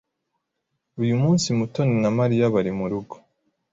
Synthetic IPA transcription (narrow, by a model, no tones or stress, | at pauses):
ujumuːnsimutoninamaɾijaβaɾimuɾuɡo